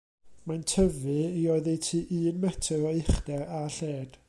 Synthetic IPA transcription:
mantʰəvɨiɔɨðɛjtʰiːʔɨːnmɛtʰəɾɔɪχdɛɾaɬeːd̥

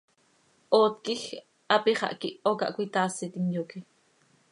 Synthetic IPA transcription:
ʔoːt̪kix | ʔɑpiχɑ̰ʔkiʔokɑ̰ʔkʷit̪aːsit̪iŋjoki

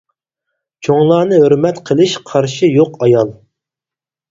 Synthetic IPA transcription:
t͡ʃʰoŋlˠɑːnɨɦøɾmɛt̪qʰəlˠɨʃqʰɑɾʃijoqɑjɑlˠ

